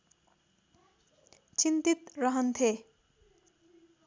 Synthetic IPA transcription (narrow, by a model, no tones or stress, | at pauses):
t͡ɕint̪it̪ɾʌɦʌnt̪ʰe